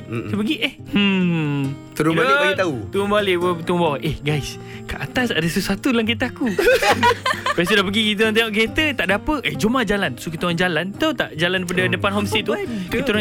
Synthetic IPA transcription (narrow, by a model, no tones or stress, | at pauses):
səpəɡiʔeh | ə | t̪əɾubaliaɡit̪aut̪əɾubaleət̪uŋɔbawaʔɛhɡajs | kaʔat̪asa̰dəsəsat̪ulaŋket̪əaku | bas̬ədahpəɡikit̪̬əaŋt̪eŋɔʔket̪ət̪aʔdapəʔed͡ʒumad͡ʒalansokit̪oaŋd͡ʒalant̪at̪aʔd͡ʒalandep̬adədəpanɦɔmsit̪ukit̪ə